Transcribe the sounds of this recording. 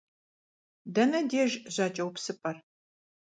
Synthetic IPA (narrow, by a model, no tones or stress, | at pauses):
dɐnɐdeːʒʑaːt͡ʃʼɐwpsɨpʼɐr